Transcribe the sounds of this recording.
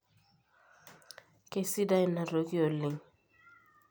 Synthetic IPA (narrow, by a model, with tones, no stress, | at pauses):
ke˦si˦da˦ɪ˦na˨ɾo˨ki˦o˨lɪ˨ŋ